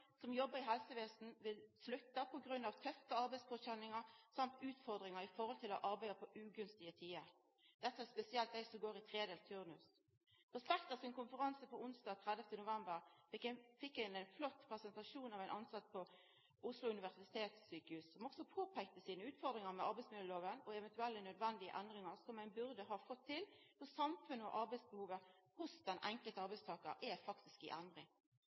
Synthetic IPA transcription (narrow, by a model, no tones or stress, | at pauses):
sɔmjɔbːəɾɪɦɛlsəʋeːsn̩ʋɪlslʉt̪ːɑpʰɔɡɾʉnːɑʋt̪ʰœft̪əɑɾbæɪskʰɔt̪ɕɛnːɪŋəɾsɑmt̪ʉːt̪fɔʁd̪ɾɪŋəɾɪfɔɾhɔlt̪ʰɪlɔ̰ʔɑɾbæɪəpʰɔʔʉːɡʉnst̪ɪət̪ʰiːəɾ | d̪̥ɛt̪ːəæspɛsɪɛlt̪̚d̪æɪsɔmɡoːɾɪt̪ʰɾeːd̪eːlt̪ʰʉʁnʉs | ʁɛspɛkt̪ɑsɪnkʊnfəʁɑnsəpɔʊnsd̪ɑːɡ̚t̪ʰʁæd̪əft̪ənʊʋɛmbəʁfɪkːɪfɪkːæɪnæɪnflɔt̪ːpʰʁɛsɛnt̪ɑʂuːnɑʋæɪnʔɑnsɑt̪ːpʰɔ | ʊslʊʉnɪʋæʁsɪɪ̥t̪ʰeːt̪sːyːkəhʉːssɔmɔksɔpʰoːpʰæk̚t̪əsiːnəʉːt̪fɔʁd̪ʁɪŋəmɛɑɾbæɪsmɪləloːʋənɔɛʋɛnt̪ʉɛlːənœd̪ʋɛnd̪ɪə̰ʔɛnd̪ʁɪŋəʁsɔmæɪnbʉʁd̪əɦɑːfɔt̪ʰːɪlfɔsɑmfʉnːəɔ̰ʔɑɾbæɪsbəhuːʋəhʊsd̪ɛnʔɛŋkəlt̪əɑʁbæɪst̪ʰɑːkəɾʔæfɑkt̪ɪskɪ̰ʔɛnd̪ʁɪŋ